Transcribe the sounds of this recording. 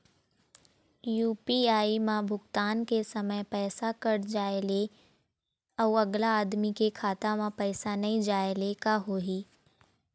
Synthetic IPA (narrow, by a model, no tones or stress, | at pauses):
juːpiaːimãbʱʊɡt̪aːnkesɐməjpɛːsakɐɽd͡ʒaːele | ɔːɐɡlaːd̪mikekʰaːt̪amãpɛːsanɐɦĩd͡ʒaːelekaɦoːɦiː